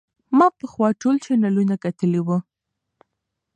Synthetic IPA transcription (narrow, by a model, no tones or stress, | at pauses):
mɑpəxwɑʈolt͡ʃenalunakat̪əliwu